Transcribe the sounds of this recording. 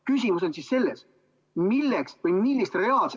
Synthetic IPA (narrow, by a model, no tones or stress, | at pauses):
kysʲimuso̞nsisːe̞lːes | milːeksvɤjmilːist̪re̞ɑːlse